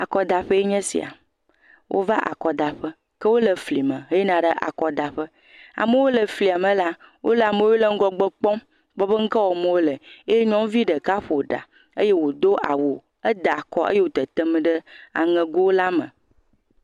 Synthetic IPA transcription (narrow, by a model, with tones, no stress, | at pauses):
a˨kɔ˨d̪a˨ɸə˦e˦ɲɛ̃˦sḭ˨a̰˨ | wʔo̰˦va˦ʔa̰˨kɔ˨d̪a˨ɸə˦ | kə˦wo˦lə˨fli˨mə̃˨ɦe˦je˦nã˨ɖə˦ʔa̰˨kɔ˨d̪a˨ɸə˦ | a̰˨mə˦wo˦lə˨fli˨a˨mə̃˨la˦wʔo̰˦lə˦˨a˨mə̃˦wo˦lə˦ŋ̩˦ɡɔ˨ɡ͡bə˦k͡pɔ̃˦m | ɡ͡bɔ˦bə˦ŋ̩˦kə˦wɔ˨mə̃˨wo˦lə˨e˦jɲɔ̃˦m˦vi˦ɖə˨ka˦ɸo˨ɖa̰˨ | ə˦je˦wo˨d̪o˦ʔa̰˨wo˨ | ə˦d̪a˨kɔ˦ʔḛ˦je˦wo˨˦t̪ə˨t̪ə˦m˦ɖə˦a̰˨ŋə̃˨ɡo˦wo˦la˦mə̰̃˨